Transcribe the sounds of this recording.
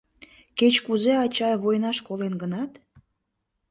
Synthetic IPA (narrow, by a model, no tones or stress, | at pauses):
ket͡ɕkuzeɑt͡ɕɑβojnɑʃkolenɡənɑt̪